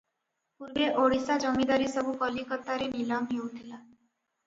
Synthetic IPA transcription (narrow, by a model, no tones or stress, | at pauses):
puɾbeʔoɽisad͡ʒɔmid̪aɾisɔbʱukɔlikɔt̪aɾenilamɦewt̪ʰila